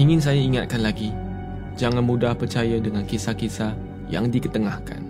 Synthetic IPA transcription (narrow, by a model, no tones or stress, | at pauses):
iŋɪ̃ns̬ajaiŋat̪̚kanlaɡi | d͡ʒaŋãnmũdahpərt͡ʃajadəŋãnkisakisa | ja̰ŋdikət̪əŋahka̰n